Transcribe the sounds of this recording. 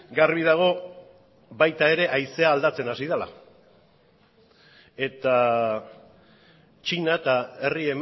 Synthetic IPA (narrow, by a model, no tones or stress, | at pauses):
ɡarβið̞aɣ̞o̞ | βajt̪ae̞ɾe̞ʔajse̞aːld̪at͡se̞nasiðala̰ | e̞t̪a | t͡ʃinat̪ae̞rie̞m